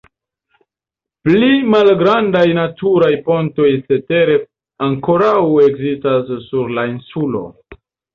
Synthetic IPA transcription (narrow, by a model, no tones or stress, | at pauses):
plimalɡɾandajnatuɾajpo̞nto̞jse̞te̞ɾe̞ | aŋko̞ɾawe̞kzistasːuɾlainsulo̞̰